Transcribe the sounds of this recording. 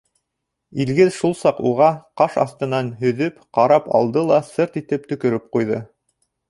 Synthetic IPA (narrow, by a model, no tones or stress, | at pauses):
ilɡɘðʃulˠsɑquʁɑqɑʃɑ̰θt̪ɤ̆nɑnɦɵ̆ðɵpqɑɾɑpɑ̰lˠd̪ɤlˠɑsɤɾt̪it̪ɘp̚t̪ɵ̆kɵ̆ɾɘp̚qujðɤ